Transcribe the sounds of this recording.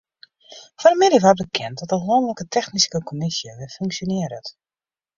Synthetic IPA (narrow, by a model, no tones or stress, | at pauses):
fɔɾəmɪdɪvʋat̚bəkʰɛntdɔtəlonələkətʰɛxniskəkʰomisjəʋɪfyŋksjonɪəɾət